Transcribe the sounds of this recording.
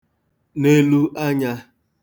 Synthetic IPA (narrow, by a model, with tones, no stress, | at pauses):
ne˦lu˦ʔa˦ɲa˦